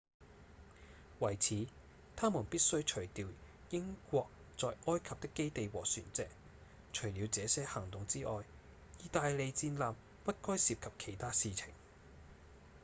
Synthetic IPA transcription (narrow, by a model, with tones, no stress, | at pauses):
wɐ˨˩jt͡sʰiː˨˥ | t̪ʰaː˥muː˨˩npiː˥t̚sɵ˥ɥt͡ʃʰɵ˨˩ɥt̪iː˨w | jɪ˥ŋkʷɔː˧k̚ | t͡sɔː˨˧jʔɔː˥jkʰɐ˨p̚t̪ɪ˥kːe˥jt̪e˨˧jwɔː˨˩syː˨˩nt͡sɛː˨˧k̚ | t͡ʃʰɵ˨˩ɥliː˨˧wt͡sɛː˨˧sɛː˥hɐ˨˩ŋt̪ʊ˨ŋt͡siː˥ʔɔː˨j | jiː˨t̪aː˧jle˨˧jt͡siː˧nlaː˨˧m | pɐ˥t̚kɔː˥jsiː˧p̚kʰɐ˨p̚kʰe˨˩jt̪ʰaː˥siː˨˧t͡sʰɪ̰˨˩ŋ